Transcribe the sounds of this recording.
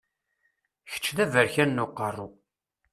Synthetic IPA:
çə̥t͡ʃːðævəɾçænːʊqːərˤːʊ

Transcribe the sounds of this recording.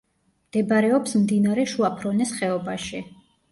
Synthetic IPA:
md̪̥ɛbaɾɛɔpsmd̪inaɾɛʃuapʰɾɔnɛsχɛɔbaʃi

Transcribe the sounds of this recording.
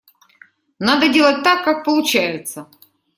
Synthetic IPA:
nad̪ədʲelˠət̚ʲt̪akːak̚pəlˠʊt͡ɕæjɪt̪sə

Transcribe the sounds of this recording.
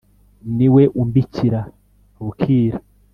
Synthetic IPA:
niwe̞ʔumbicʰiɾa | βukʰiːɾḁ

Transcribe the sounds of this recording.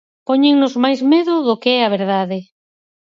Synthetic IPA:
poɲeŋnʊzmajzmeðʊðʊkeɛaβ̞eɾðaðɪ

